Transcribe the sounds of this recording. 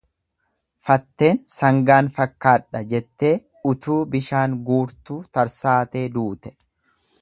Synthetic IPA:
fɐt̪ːe̞ːnsɐŋɡaːnfɐkːaːᶑɐd͡ʒɛt̪ːe̞ː | ʊt̪uːbɪʃaːŋɡuːɾt̪uːt̪ɐɾsaːt̪e̞ːd̪uːt̪ɛ̥

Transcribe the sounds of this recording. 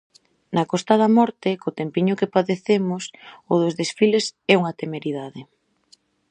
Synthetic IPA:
nɐkɔst̪aðɐmɔɾt̪ɪkot̪empiɲʊkepaðeθemʊsʊðʊzðesfilesɛuŋat̪emeɾiðaðɪ

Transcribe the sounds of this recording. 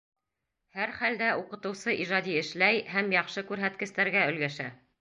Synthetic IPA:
hæɾχæld̪æuqɤ̆t̪ɤ̆wsɤʔiʒɑd̪ʲiɘ̆ʃlæjhæmjɑχʃɤkʉɾɦæt̪kɘ̆st̪æɾɡæɵ̆lɡæʃæ̰

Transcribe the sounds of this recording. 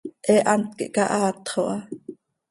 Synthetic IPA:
ʔɛʔɑnt̪̚kḭʔkɑʔɑːt̪χoʔɑ

